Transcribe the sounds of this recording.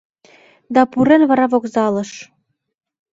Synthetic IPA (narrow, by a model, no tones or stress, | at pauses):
d̪ɑpuɾenβɑɾɑvokzɑlɤ̆ʃ